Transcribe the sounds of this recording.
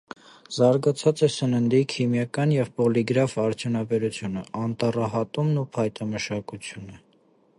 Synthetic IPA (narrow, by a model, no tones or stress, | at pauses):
z̥ɑɾɡɑt͡sʰɑt͡sɛsənənd̪ikʰimjɑkɑnjɛvpɔliɡɾɑvɑɾt͡sʰjunɑbɛɾut͡sʰjunəʔɑnt̪ɑrɑɦɑt̪umnupʰɑjt̪ɑməʃɑkut͡sʰjunə